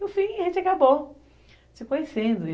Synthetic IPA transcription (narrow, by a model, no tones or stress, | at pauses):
nʊfĩʒẽnt͡ʃɪakabo | sɪkõjesẽnd̪ʊ